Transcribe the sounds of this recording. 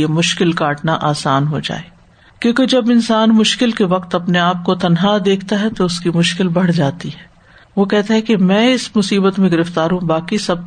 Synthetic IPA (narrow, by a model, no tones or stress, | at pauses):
emʊʃkɪlkaːʈnaʔaːsaːnɦod͡ʒa̰ːeː | kjõːked͡ʒɐbɪnsaːnmʊʃkɪlkeʋɐqt̪ɐpneaːp̚kot̪ɐnɦaːd̪eːkʰt̪aɦɛt̪oʊskimʊʃkɪlbɐɽ̤d͡ʒaːt̪iɦɛː | ʋokɛɦt̪aɦɛkemɛ̃ːɪsmʊsiːbət̪mẽɡɪɾɪft̪aːɾɦũbaːkisɐb̚